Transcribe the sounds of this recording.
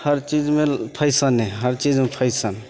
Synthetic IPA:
həɾt͡ʃid͡ʒmepʰəɪsənɛɦəɾt͡ʃid͡ʒmepʰəɪsən

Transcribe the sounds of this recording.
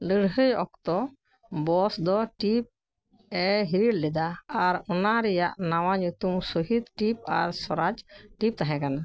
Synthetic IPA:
ləɽɦəjɔk̚t̪ɔ | bɔsd̪ɔʈip̚ | ɛɦiɾiɽlɛd̪aːɾɔnaɾɛjaʔnawaɲut̪umsuɦid̪ʈip̚a̰ɾsɔɾad͡ʒʈip̚t̪aɦɛ̃kana

